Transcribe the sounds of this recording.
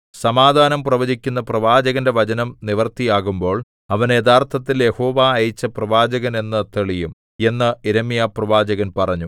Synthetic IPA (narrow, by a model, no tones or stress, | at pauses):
sɐmaːd̪ʱaːnɐmprɐʋɐd͡ʑikʲːunːɐprɐʋaːd͡ʑɐɣɐnde̞ʋɐd͡ʑɐnɐmniʋɐrt̪ijaːɣumbo̞ːɭ | ɐʋɐned̪aːrt̪ʰɐt̪ːilje̞ho̞ːʋaːjt͡ɕːɐprɐʋaːd͡ʑɐɣɐne̞nːɐt̪ːeɭijum | e̞nːɨeɾemijaːprɐʋaːd͡ʑɐɣɐnpɐrɐɲːu